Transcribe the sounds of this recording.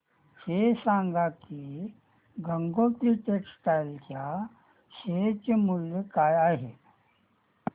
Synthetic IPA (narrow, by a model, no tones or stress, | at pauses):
sesãŋɡaki | ɡəŋɡot̪ɾiʈeksʈajlka | set͡ɕemuljəkaːjaːɦe